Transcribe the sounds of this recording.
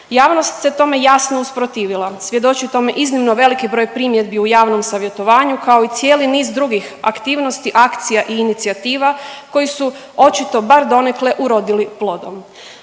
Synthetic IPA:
jaːʋno̞st̪se̞t̪o̞me̞jasnouspɾo̞t̪iːʋilˠasʋje̞d̪o̞t͡ʃit̪o̞me̞ʔiznimno̞ʋe̞likibɾo̞jpɾimje̞d̪biujaːʋno̞msaʋje̞t̪o̞ʋaːɲukao̞it̪sje̞ːliniːzd̪ɾuɡixa̰kt̪iːʋno̞st̪iʔakt̪sijaʔiːnit̪siat̪iːʋako̞jisu | o̞t͡ʃit̪o̞baɾd̪o̞nekle̞ʔuɾo̞d̪iliplˠo̞d̪o̰m

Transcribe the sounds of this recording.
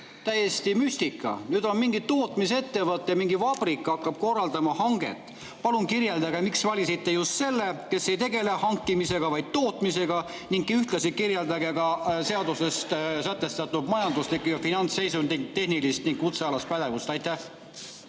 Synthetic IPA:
t̪æjest̪imyst̪ikːˑɑ̰nyd̪o̞nmiŋɡ̥it̪ːo̞ːt̪mise̞t̪ːe̞vɤt̪ːˑjɑmiŋɡivɑb̥rikːˑɑkːɑb̥̚ko̞rːɑld̪ɑmɑhɑŋɡ̥e̞̰t̪ːˑ | pɑlunkirjeld̪ɑɡ̥emiksvɑlʲisit̪ːe̞just̪se̞lːeke̞sːe̞jt̪e̞ɡe̞lehɑŋkːimise̞ɡ̥ɑvɑjd̪̥̚t̪o̞ːt̪mise̞ɡ̥ɑ | niŋkːiyht̪lɑsikirjeld̪ɑɡe̞ɡɑse̞ɑd̪use̞st̪sæt̪ːˑe̞st̪ɑt̪ːˑud̪mɑjɑnd̪uslikujɑfinɑnt̪sːe̞jsund̪it̪e̞hnilist̪niŋɡut̪seɑlɑst̪pæd̪̥e̞vust̪ɑjt̪ːæh

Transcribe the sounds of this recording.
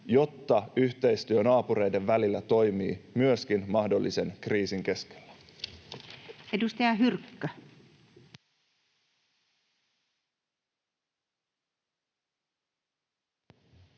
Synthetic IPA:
jo̞t̪ːɑyçt̪e̞jst̪yønɑːpuɾe̞jde̞ʋːælilːæt̪o̞jmiːmyøskinmɑhdo̞lːise̞nkriːsiŋk̟e̞ske̥l̥ːæ̥ | edust̪ɑjɑɦyrkːø

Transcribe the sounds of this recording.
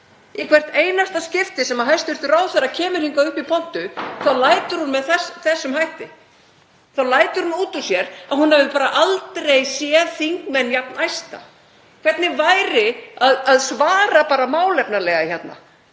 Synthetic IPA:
ikʰvɛr̥t̪eːjnast̪ascɪft̪ɪsɛmaɦajst̪vɛɾ̥t̪ʏɾaːwθɛɾacʰɛːmʏɾ̥hiŋkaʏhpipʰɔn̥t̪ʏθawlaːjt̪ʏɾ̥hunmɛðθɛsθɛsːʏmɦajht̪ɪ | θawlaːjt̪ʏɾ̥hunuːt̪ɔsjɛɾahunhɛvɪðpaːɾaʔalt̪ɾejsjɛðθiŋkmɛnjapnajst̪a̰ | kʰv̥ɛt̪nɪvajɾɪaðaðsvaːɾapaːɾamaːwlɛpnalɛɣaçjɛt̪na̰

